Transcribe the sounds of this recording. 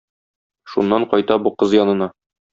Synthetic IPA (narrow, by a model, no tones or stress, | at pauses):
ʃunːɑɴqɒjt̪ɑbuqɤzjɒnɤ̆nɑ